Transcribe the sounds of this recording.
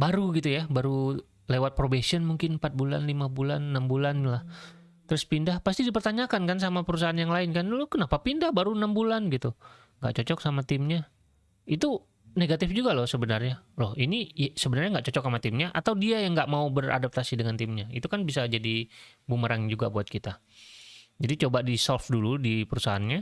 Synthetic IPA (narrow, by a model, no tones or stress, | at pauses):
baɾuɡit̪ujabaɾu | lewat̪̚pɾobesiɔnmuŋkɪnmpat̪̚bula̰nlimabulanːambulanlah | t̪əɾʊspindahpast̪idipərt̪aɲakankans̬amapəɾus̬aɦanjaŋlaɪnkanlʊhkənapapindahbaɾuənambulanɡit̪u | ŋɡa̰ʔt͡ʃɔt͡ʃɔk̚samat̪ɪmɲa | it̪u | neɡat̪ɪfd͡ʒuɡalɔhsəbənərɲalɔhinisəbənərɲaŋɡaʔt͡ʃɔt͡ʃɔksamat̪ɪmɲaʔat̪awdiajaŋɡaʔmaubəra̰dap̚t̪asidəŋant̪ɪmɲaḭt̪ukanbisad͡ʒadibuməɾaŋd͡ʒuɡa̰buat̪̚kit̪a | d͡ʒadit͡ʃobadisɔlfduludipəɾusaɦanɲa